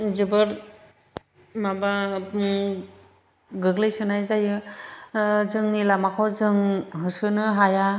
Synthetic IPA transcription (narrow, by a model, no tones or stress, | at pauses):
zɯbɯɾ | maba | ɡɯɡlɯjsɯnajzajɯ | zɯŋnilamakʰawzɯŋɦɯsɯnɯɦaja